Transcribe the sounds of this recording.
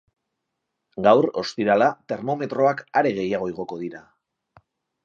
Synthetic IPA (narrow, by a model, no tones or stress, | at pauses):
ɡawɾo̞̰st̪iɾalat̪e̞ɾmo̞me̞t̪ɾo̞akaɾe̞ɣe̞jaɣ̞o̞eɣ̞o̞ko̞ðiɾa